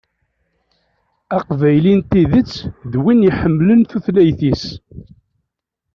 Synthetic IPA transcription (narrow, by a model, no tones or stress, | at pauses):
æqvæjlint̪iðət͡sːðwinjiħəmːlənθuθlæjθis